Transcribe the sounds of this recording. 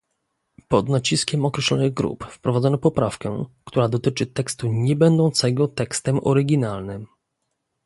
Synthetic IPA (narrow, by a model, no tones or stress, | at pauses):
pɔd̪nat͡ɕiskʲɛmɔkɾɛɕlɔ̰nɘɣɡɾṵpfpɾɔvad̪zɔnɔpɔpɾafkɛ̰kt̪uɾad̪ɔt̪ɘt͡ʂɘt̪ɛkst̪uɲɛbɛnd̪ɔw̃t̪sɛɡɔt̪ɛkst̪ɛmɔ̰ɾɘɡʲinalnɘm